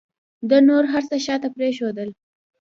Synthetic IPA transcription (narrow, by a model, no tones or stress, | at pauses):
d̪ənoɾɦaɾsəʃɑt̪apɾeʃod̪əl